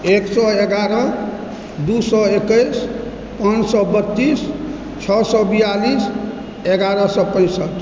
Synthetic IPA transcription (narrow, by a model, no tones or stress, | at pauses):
eksʌeɡaɾʌ | d̪usɔekʌjs | pãnsɔbʌt̪ːis | t͡ʃʰʌsʌbijalis | eɡaɾʌsʌpə̃sʌt̪